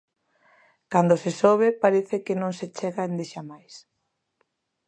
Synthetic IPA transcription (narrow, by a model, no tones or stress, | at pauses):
kand̪osesoβ̞epaɾeθɪkenõŋset͡ʃɛɣaend̪eʃamajs